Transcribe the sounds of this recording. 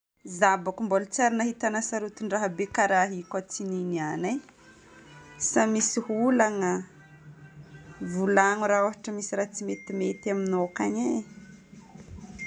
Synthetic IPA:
zabakumbolut͡saɾinaɦit̪anasaɾut̪uɳɖ͡ʐaɦabekaɾaɦikat͡sininiane | samisihulaŋə | vulaŋuɾaoɦaʈ͡ʂəmisiɾat͡simet̪imet̪aminokaɲe

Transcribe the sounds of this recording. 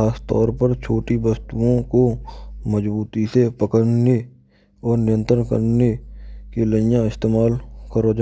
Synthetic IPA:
aːst̪ɔ̰ːɾpəɾt͡ʃʰoːʈibəst̪uõkoməd͡ʒbuːt̪isepəkəɽne | ɔːɾnɪjə̃nt̪ɾənkə̰ɾnekeləjãɪst̪eːmaːlkəɾod͡ʒ

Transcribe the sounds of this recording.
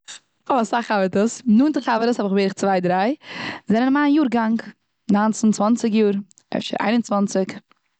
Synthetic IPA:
ɔsaχavətəsnuːntɪχhavəɾəshɔbɪχbeːɾɪχt͡svaɪdɾaɪzɛnənmaːnjuːɾɡaŋk | naːnt͡sn̩t͡svant͡sɪkjuːɾ | ɛ̰fʃə̰ɾʔa̰ɪnʊnt͡svant͡sɪk

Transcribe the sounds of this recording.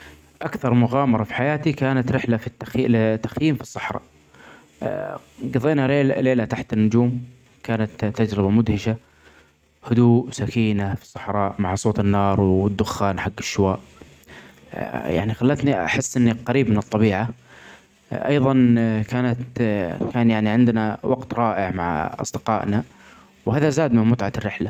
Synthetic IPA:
ʔakθɑɾˤmʊɣɑːmɑɾˤɑfi̥ħajaːt̪ikaːnat̪ɾɪħlafit̪ːaxlɪt̪ːaxjiːmfi̥sˤːɑ̥ħɾˤɑ̰ːʔ | ɡɑðˤeːnaɾeːlleːlat̪aħt̪ɪnːʊd͡ʒuːm | kaːnat̪ːad͡ʒɾɪbamʊd̪hɪʃa | hʊd̪uːsakiːnafi̥sˤːɑ̥ħɾˤɑːʔmaʕsˤoːt̪ɪnːɑːɾˤwɪd̪ːʊxːaːnħaɡːɪʃːʊwaːʔ | ja̰ʕnixalːat̪nia̰ħɪsːʔɪnːiqɑɾiːbmɪnɨt̪ˤːɑbiːʕa | ʔɑ̰jðˤɑnkaːnat̪kaːnjaʕniʕɪnd̪nawɑɡt̪ɾˤɑːʔɪʕmaʕʔɑ̰sˤd̪ɪqɑːʔna | whaːðazaːd̪mɪmmʊt̪ʕarːɪħla

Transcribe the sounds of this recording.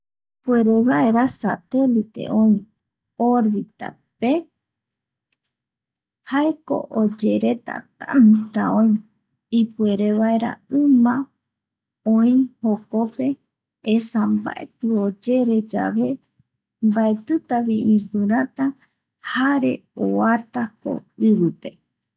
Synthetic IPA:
pue̞ɾeβaeɾasa̰t̪e̞lit̪e̞̰ʔõĩ | oɾβit̪a̰ | pe | haeko̰ʔod͡ʒe̞ɾe̞t̪a̰t̪a̰nt̪aõĩ | ipue̞ɾeβaeɾa̰ɨ̃mã | õĩhokope̞ː | samba̰et̪ɨod͡ʒe̞ɾe̞d͡ʒa̰βe̞ | mbaet̪ɨt̪aβiʔĩpɨɾat̪a | haɾe̞̰oat̪ako̰ɨβɨt̪e

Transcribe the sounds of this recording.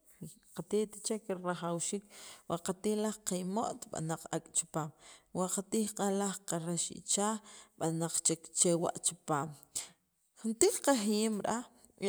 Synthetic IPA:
i | qat̪it̪ḁt͡ʃekeɾɾaχawʃiːkwaʔqat̪ihlaχqajmoʔt̪ɓa̰naq͡χa̰kʼt͡ʃi̥paːmwaʔqat̪iːχqʼalaχqaɾaʃḭt͡ʃaːɓanaq͡χt͡ʃekt͡ʃewa̰ʔt͡ʃi̥paːm | xunt̪iːkqaχjimɾa

